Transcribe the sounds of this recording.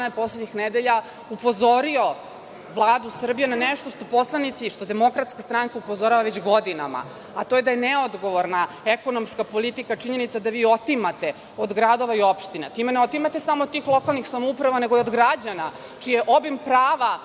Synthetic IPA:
ajepo̞sledɲixned̪eʎa | upo̞zo̞ɾio̞ | ʋlˠaːd̪usr̩bijenaneʂt̪o̞ʂt̪o̞po̞slˠanit̪siʃt̪o̞d̪emo̞kɾat̪skast̪ɾaŋkaupo̞zo̞ɾaʋaʋet͡ɕɡo̞d̪ina̰ma̰ | at̪o̞jed̪ajeneo̞d̪ɡo̞ʋo̞ɾna | eko̞nomskapo̞lit̪ikat͡ʂiɲe̞nit̪sad̪aʋiːo̞t̪imat̪e | od̪ɡɾad̪o̞ʋaio̞pʃt̪inat̪imeneo̞t̪imat̪e̞samod̪̚t̪iːxlˠo̞kalˠnixsamoupɾaʋane̞ɡoiod̪ɡɾad͡ʑana | t͡ʃijeʔo̞bimpɾaːʋa

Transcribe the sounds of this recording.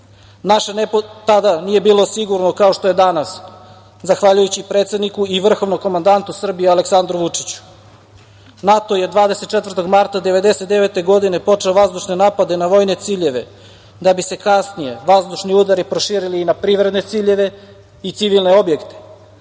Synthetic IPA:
naʃenet̪ad̪anije̞biːlˠo̞siɡuɾnokao̞ʃt̪o̞je̞d̪anas | zaxʋaʎujut͡ɕipɾet̪sed̪nikuiʋr̩xo̞vnoko̞mand̪ant̪usr̩bijealeksand̪ɾuʋut͡ʂi̥t͡ɕu̥ | nat̪oje̞d̪ʋaːd̪eset̪̚t͡ʃet̪vrt̪o̞ɡmaɾt̪ad̪e̞ʋe̞d̪e̞se̞t̪d̪eʋet̪e̞ɡo̞d̪ine̞po̞t͡ʂeoʋazd̪uʃne̞naːpad̪e̞naʋo̞jne̞t̪siːʎe̞ʋe̞ | d̪abise̞kasnije̞ʋazd̪uʃniud̪aɾipɾo̞ʃiːɾiliːnapɾiːʋɾe̞d̪ne̞t̪siʎe̞ʋe̞ | it̪siʋilˠne̞o̞bje̞kt̪e̥

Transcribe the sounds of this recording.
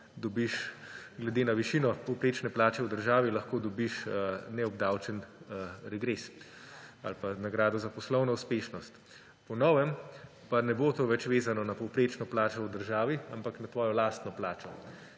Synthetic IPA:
d̪ɔbiʃɡlɛd̪eːnaʋiʃinɔpɔwpɾeːt͡ʃnɛplaːt͡ʃɛwd̪əɾʒaːʋilaxkoːd̪ɔbiʃnɛɔbd̪aːwt͡ʃɛnɾɛɡɾes | alpanaɡɾaːd̪ɔzapɔslɔwnɔuspeːʃnɔst̪ | pɔnɔːʋɛm | panɛbot̪oːʋɛt͡ʃʋeːzanɔnapɔwpɾeːt͡ʃnɔplaːt͡ʃɔwd̪əɾʒaːʋiampaknat̪ʋɔːjɔlaːst̪nɔplaːt͡ʃɔ

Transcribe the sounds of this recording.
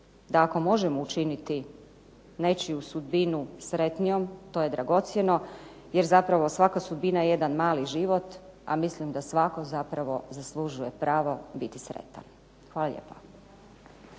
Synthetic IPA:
d̪aːko̞mo̞ʒemout͡ʃinit̪i | ne̞t͡ʃiusud̪binusɾe̞t̪nijo̞mt̪oːje̞d̪ɾaɡo̞t̪sje̞no̞ | je̞ɾzapɾaʋo̞sʋakasud̪̚binajejed̪anmaːliʒiʋo̞t̪ | a̰mislimd̪asʋako̞zapɾaʋo̞zaslˠuʒuje̞pɾaːʋobit̪isɾḛt̪a̰n | xʋaːlˠaʎḛpa

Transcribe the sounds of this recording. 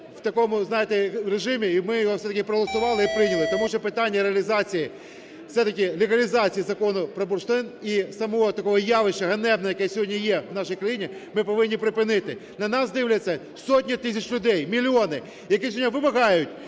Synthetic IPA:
w̥t̪ɐkɔmʊznɑjɪt̪ɛɾeʒɪmʲiːmɪjɔɦɔfsɛt̪ɐkʲɪpɾɔɦɔlˠɐsʊʋɑlˠɪipɾɪnʲɐlˠɪt̪ɔmuʃɛpɪt̪ɑnʲːɐɾeɐlʲizɑt͡sʲiji | fsɛt̪ɐkɪlʲɪɣɐlʲɪzɑt͡sʲijizɐkɔnʊpɾɔbʊrʃt̪ɪnisɐmɔɦɔt̪ɐkɔɦɔjɑʋɪʃt͡ʃːɐɦɐnɛbnɔɔjɐkɛsʲɔɦɔdʲnʲijɛwnɑʃijkɾɐjinʲimɪpɔʋɪnʲːipɾɪpɪnɪt̪ɪnɐnɑsd̪ɪwlʲɐt͡sʲːɐ | soɔtʲnʲit̪ɪsʲɐt͡ʃʲlʲʊd̪ɛjmʲilʲiɔnɪ | jɐkisʲɔɔdʲnʲʋɪmɐɦɑjʊtʲ

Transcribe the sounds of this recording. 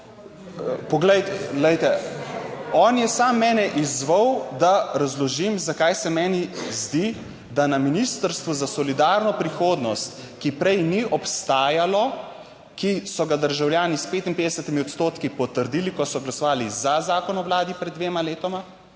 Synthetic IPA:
pɔɡlɛjt̪ɛlɛjt̪ɛ | ɔːnjɛsaːmːɛːnɛʔizʋəwd̪aɾazlɔʒimzakajsɛmɛːnizd̪i | d̪anaminist̪əɾst̪ʋuzasɔlid̪aːɾnɔpɾixoːd̪nɔst̪ | kipɾɛjniʔɔpst̪aːjalɔ | kisɔɡad̪əɾʒawljaːnispeːt̪inpeːd̪ɛsət̪imiɔt̪st̪oːt̪kipɔt̪əɾd̪iːlikɔsɔɡlasɔʋaːlizazaːkɔnɔwlaːd̪ipɾɛd̪d̪ːʋeːmaleːt̪ɔma

